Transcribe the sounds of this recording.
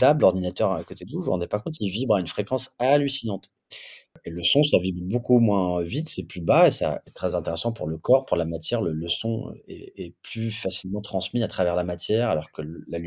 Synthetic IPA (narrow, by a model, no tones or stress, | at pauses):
t̪ablɔʁd̪inat̪œʁakot̪ed̪əvuvuʁɑ̰̃d̪epakɔ̃t̪ilvibʁaynfχekɑ̃salysinɑ̃t̪ | eləsɔ̃savibʁbokumwɛ̃vit̪sɛplybaesa̰ɛt̪χɛzɛ̃t̪eʁesɑ̃pṵʁləkɔʁpuʁlamat̪jɛʁlələsɔ̃ø̰ɛ̰ɛplyfasilmɑ̃t̪χɑ̃smiat̪χavɛʁlamat̪jɛʁalɔʁkəllal